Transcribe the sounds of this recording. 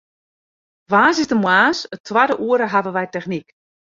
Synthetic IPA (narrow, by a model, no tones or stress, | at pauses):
ʋaːsɪzdəmwaːsətʰwadəʔuəɾəɦavəʋɛjtɛxnik